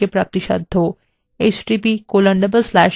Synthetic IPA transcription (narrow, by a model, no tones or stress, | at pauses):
epɾa̰ːp̚t̪iʃɐ̰d̪ʱːo | et͡ʃʈiːpikoːlə̃ɳɖɐbəlslɛːʃ